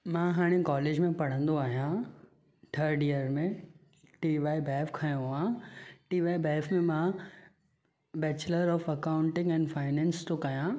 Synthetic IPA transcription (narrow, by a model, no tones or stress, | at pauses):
mãɦaːɽ̃ekɔːleːd͡ʑmẽpɐɽ̤ə̃nd̪oaːɦijã | ʈʰɐɾɖijəɾmẽ | ʈiːʋaːibɛːfkʰajõãʈiːʋaːibɛːfmẽmã | bɛːt͡ɕləɾɔːfɐkaːʊ̃ɳʈɪ̃ŋɡɛ̃ːnɖfaːɪnɛ̃ːnst̪ʰokɐjã